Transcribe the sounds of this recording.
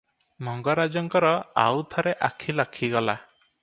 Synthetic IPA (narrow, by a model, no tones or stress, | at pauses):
mɔŋɡɔɾad͡ʒɔŋkɔɾɔa̰wt̪ʰɔɾeʔakʰilɔkʰiɡɔla